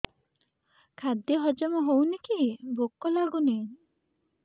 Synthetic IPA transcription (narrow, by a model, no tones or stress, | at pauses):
kʰad̪jɔɦɔd͡ʒɔmɔɦownikibʱokːɔlaɡuni